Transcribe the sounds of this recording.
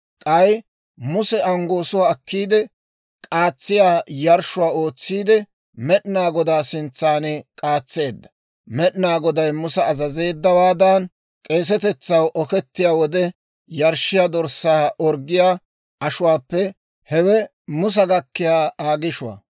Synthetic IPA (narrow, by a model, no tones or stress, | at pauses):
kʼɐj | mʊsɛɐŋɡo̞ːsʊwaːkːiːd̪ɛ | kʼaːt͡sːɪjaːjɐɾʃʊwaːo̞ːt͡sːiːd̪ɛ | mɛɗɪnaːɡɔd̪aːsɪnt͡sːaːnɛkʼaːt͡sːe̞ːd̪ːɐ̥ | mɛɗɪnaːɡɔd̪ɐjmʊsɐːzɐze̞ːd̪ːɐwaːd̪ɐn | kʼe̞ːs̬ɛt̪ɛt͡sːɐwʔɔkɛt̪ːɪjaːwɔd̪ɛ | jɐɾʃɪjad̪ɔɾsaːʔɔɾɡːɪjaː | ɐʃʊwaːpːɛ | hɛwɛ | mʊs̬ɐɡɐkːɪjaːaːɡɪʃʊwa̰